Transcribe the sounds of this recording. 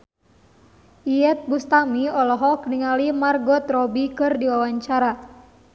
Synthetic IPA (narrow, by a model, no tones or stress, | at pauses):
ʔiɛt̪̚bust̪amiɔlɔɦɔkəniŋalimarɡɔt̪rɔbikɨrdiwawaɲt͡ʃaɾa